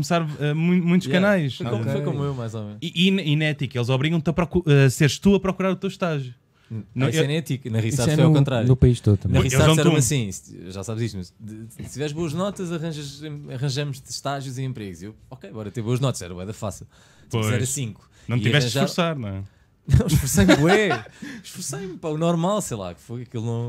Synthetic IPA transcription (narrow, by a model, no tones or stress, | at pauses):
kumsaɾɛmũj̃mũj̃t̪uʃkɐnajʃkofojkomuewmajzɔmẽiʔininɛt̪ikelˠzɔβɾiɣɐ̃w̃t̪ɐpɾɔkuseɾʃt̪uɐpɾɔkuɾaɾut̪ewʃt̪aʒju | nɐ̃iɛnɛ̃ɐt̪iknɐʁissaðjɔkõnt̪ɾaɾunupɐiʃt̪oðɐm̃ɐʁiselˠaðñɾũɐsĩsʒasaβzist̪mɐʃt̪ivɛɾʒβoɐʒnɔt̪ɐzɐʁɐ̃ʒɐʒẽɐʁɐ̃ʒɐmuʃt̪ʃt̪aʒjuziẽmpɾeɣuziewɔkejbɔɾɐt̪ẽβoɐʒnɔt̪ɐ̥zɛɾɐwɛðɐfasilˠ | ojɛɾɐsĩŋku̥ɐ̃w̃it̪iɐvɛʃʁtɐ̃ʃʒafuɾsaɾnɐ̃ | nɐ̃w̃ffuɾsɐjmɛʃfuɾsɐjmpɐunɔɾmalˠsɐjlˠa̰kfojɐkilˠnɐ̃w̃